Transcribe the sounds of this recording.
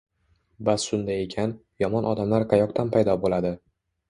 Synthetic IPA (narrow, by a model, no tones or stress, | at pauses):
basːʊnd̪aekʲʰan | jɒmɒnʔɒd̪amlaɾqʰɑjɒqt̪ʰanpʰajd̪ɒbolad̪ɪ